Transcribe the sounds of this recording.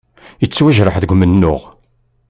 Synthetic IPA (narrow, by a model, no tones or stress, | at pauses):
ət͡sːwæʒɾəħðəɡʷmənːʊʁ